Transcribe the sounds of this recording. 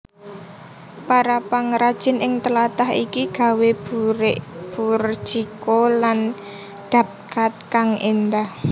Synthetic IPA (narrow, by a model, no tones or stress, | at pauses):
paɾapaŋɾad̥ʒ̥ɪ̤nɪŋt̪əlat̪aɦḭkiɡ̥ä̤webuɾeʔb̥ur̥ʒ̥ikolan | d̪̥a̤p̚kat̪̚kaŋind̪ah